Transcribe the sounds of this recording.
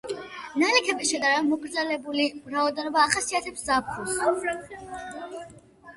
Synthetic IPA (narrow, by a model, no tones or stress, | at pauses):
nalɛkʰɛbisʃɛd̪aɾɛbamɔɡɾd̪zɛlɛbuliɾaɔd̪ɛnɔbaːχasiat̪ʰɛpszap̚ʰχʰus